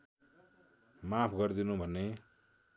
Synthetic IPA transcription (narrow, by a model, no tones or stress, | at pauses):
mapʰɡʌrd̪inũbʱʌnːe